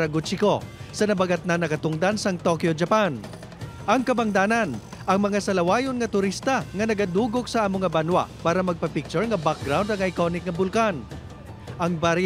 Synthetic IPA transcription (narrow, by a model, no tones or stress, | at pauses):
ɾɐɡʊt͡ʃɪko̞sɐnɐbɐɡat̪̚nɐnɐkɐt̪ʊŋd̪ansɐŋt̪okjod͡ʒɐpan | ʔɐŋkɐbɐŋd̪aːnɐn | ʔɐŋmɐŋasɐlɐwaːjonŋɐt̪ʊɾist̪ɐŋɐnɐɡad̪uːɡok̚sɐʔaːmoŋabanwa̰paːɾɐmɐɡ̚pɐpɪk̚t͡ʃʊɹŋɐbak̚ɡɾawnd̪ɐŋɐjkonɪk̚ŋɐbʊlkan | ʔɐŋbaɾ